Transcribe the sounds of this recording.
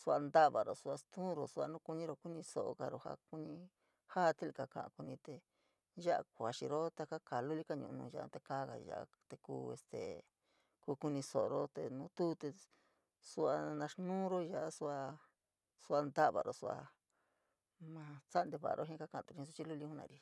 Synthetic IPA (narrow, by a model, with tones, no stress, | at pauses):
su˧a˧nd̪a˦βa˨ɾo˨su˧a˧st̪ũ˦˧ɾo˨su˧a˧nũ˦ku˧ɲĩ˦ɾo˧ku˦nĩ˧so̰˨ʔo̰˧ka˧ɾo˧ha̰˧ku˧ɲĩ˧ | ha˦t̪i˦li˧ka˧kã̰˨ã̰˧ku˧nĩ˧t̪e˧ | ʒa˦ʔa̰˧kʷa˨ʃḭ˧ɾo˦t̪a˧ka˦ka˨lu˦li˦ka˦ɲṵ̃˧ʔnṵ̃˧ʒa˧ʔt̪e˧ka˦ɣa̰˨ʒa̰˧˨a̰˧ | t̪e˧kṵː˧ḛ˧st̪ḛ˨ | ku˧ku˧nĩ˧so˨ʔo˧ɾo˦t̪e˧nũ˧˦t̪uː˦t̪e˧ | su˧a˧nã˧ʂnũː˦ɾo˦ʒa˧ʔa˦su˧a˧ | su˧a˧nd̪a˦βa̰˨ɾo̰˨su˧a̰˧ | mã˧t͡sa˦nd̪e˧βa̰˨a̰˧ɾʔo˦ɦĩ˦ka˦kã˧˨ã˧t̪u˧ĩ˧s̬u˦˧t͡ʃi˦lu˦˧li˧˦hũ˦nã̰˨˧ɾi˧